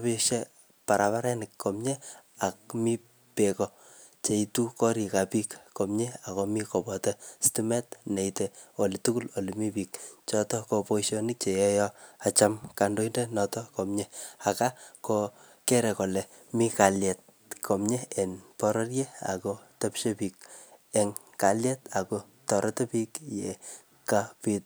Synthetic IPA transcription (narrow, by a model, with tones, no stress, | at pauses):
piʃe˦ | pa˨ɾʔa˨pa˦ɾɛ˦nɪkkomɲe˦a˨k̚mi˦ | pekɔ | t͡ʃe˨itu˦kɔ˦ɾi˨ka˨pi˦kkomɲe˦a˨komikɔ˨bɔtɛstimɛ˦tne˨iteo˨li˨tu˦ku˦lo˨limi˦pikt͡ʃɔ˦tɔ˦kopo˦iʃo˦nɪ˦k̚t͡ʃe˨jɔ˦jɔa˨t͡ʃa˦mka˨ndo˦inde˦nɔtɔ˦kɔ˨mɲɛa˨ka˦ko | kɛ˦ɾɛ˨kɔ˨lɛ˨ | mi˦ka˨ljɛ˨t̚ | kʰo˨mɲe˦e˨npɔ˦ɾɔ˦rje˦a̰˨kotɐ˦pʃepik̚e˨ŋ | ka˨ljɛ˦ta˨ko | tɔ˨ɾʔɔ˦tɛ˦pi˦kje˨ | kapit̚